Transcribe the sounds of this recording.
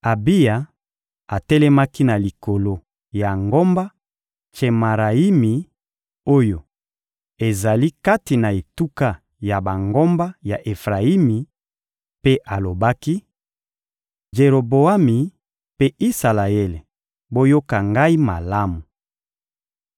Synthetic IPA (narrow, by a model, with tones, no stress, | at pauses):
a˨bi˦ja˨ | a˨tɛ˦lɛ˦ma˦ki˦na˨li˨ko˨lo˦ | ja˨ŋɡo˦mba˦ | t͡ʃe˨ma˨ʁa˨i˦mi˨ | o˦jo˨ | e˨za˨li˦ka˦ti˨na˨e˨tu˦ka˦ | ja˨ba˨ŋɡo˦mba˦ja˨ʔe˨fʁa˨i˦mi˨ | pe˦ʔa˨lo˨ba˦ki˦ | ʒe˨ʁo˨bo˨a˦mi˨ | pe˦i˦sa˨la˨ɛ˦le˨ | bo˦jo˦ka˨ŋɡa˦i˦ma˨la˦mu˨